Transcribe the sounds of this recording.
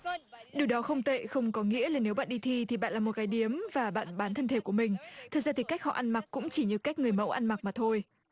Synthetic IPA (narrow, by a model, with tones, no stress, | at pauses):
ɗɨ˨˩əwɗɔ˨˦xə˧wŋ͡mt̪ḛ˧˨xə˧wŋ͡mkɔ˨˦ŋḭ˧˥əlaː˨˩ne˨˦wɓa̰ː˧˨nɗi˧t̪ʰi˧t̪ʰi˨˩ɓa̰ː˧˨nlaː˨˩mo˨˩t̚kaː˨˦jɗi˨˦əmvaː˨˩ɓa̰ː˧˨nɓaː˨˦nt̪ʰə˧nt̪ʰe˧˩ku˧˩əmï˨˩ŋ̟t̪ʰə˨˩za˧t̪i˨˩ka˦˥jk̚hɔ̰˧˨ʔa˧nma˨˩k̚kːʊ̰˧˥ŋ͡mt͡ɕi˧˩ɲɨ˧˩ka˦˥jk̟̚ŋɨ˨˩əjmə̰˧˥wʔa˧nma˨˩k̚maː˨˩t̪ʰo˧j